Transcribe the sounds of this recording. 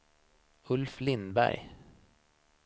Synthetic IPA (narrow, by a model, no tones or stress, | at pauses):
ɵlflɪnbæ̰ɾj